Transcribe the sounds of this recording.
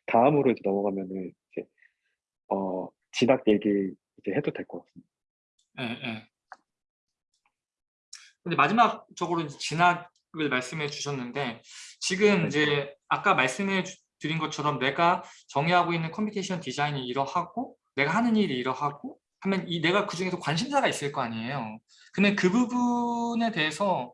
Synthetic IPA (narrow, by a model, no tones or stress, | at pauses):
taɯmɯɾoid͡ʑe̞nʌmʌɡamjʌnɯnid͡ʑe̞ | ʌ | t͡ɕinak̚je̞ɡi | id͡ʑe̞ɦedodwe̞ɭk͈ʌk͈as͈ɯmɲid̥aa | je̞je̞ | kɯnde̞mad͡ʑimak̚t͡ɕ͈ʌɡɯɾoid͡ʑe̞t͡ɕinaɡ | ɯɭmaɭs͈ɯmɦe̞t͡ɕuɕʰʌnːɯnde̞t͡ɕiɡɯmind͡ʑe̞ak͈amaɭs͈ɯmɦe | tɯɾinɡʌt͡ɕʰʌɾʌmne̞ɡat͡ɕʌŋiɦaɡoinːɯnkʰʌmpʰitʰeɕʰʌntid͡ʑainiːɾʌhaɡ̥o | ne̞ɡaɦanɯniɾiːɾʌɦaɡo | hamjʌnine̞ɡakɯd͡ʑuŋesokwanɕʰimsʰaɡais͈ɯɭk͈ʌaɲiejo | kɯndekɯbubune̞te̞ɦesʰʌ